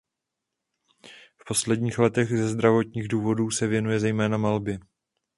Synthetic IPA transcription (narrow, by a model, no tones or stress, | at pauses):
fpo̞slɛdɲiːxlɛt̪ɛɣzɛzd̪ɾavo̞t̪ɲiːɣduːvo̞duːsɛvjɛnujɛzɛjmɛːnamalbɪ